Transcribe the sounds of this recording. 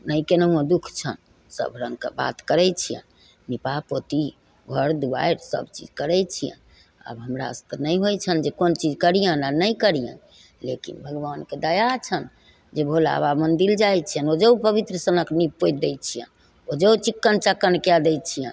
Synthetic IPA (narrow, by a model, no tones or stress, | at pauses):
nəjkenəũə̃d̪ukʰt͡ʃʰə̰n | sə̰bʱɾəŋkḛba̰t̪kəɾɛt͡ʃʰijə̰̃n | nipapot̪i | ɡʱəɾd̪uba̰eɾsə̰bt͡ʃḭd͡ʒkəɾɛt͡ʃʰijə̰̃n | ə̰bɦəmɾa̰sə̥t̪ənəjɦojt͡ʃʰənd͡ʒekont͡ʃid͡ʒkəɾijənanəjkəɾijə̰̃n | lḛkḭnbʱəɡʋanked̪əjat͡ʃʰən | d͡ʒebʱola̰βamənd̪ild͡ʒajt͡ʃʰijənod͡ʒeupəβit̪ɾəsənəknipːojd̪ɛjt͡ʃʰijə̰n | od͡ʒeut͡ʃikːənt͡ʃəkːənkad̪ɛjt͡ʃʰijən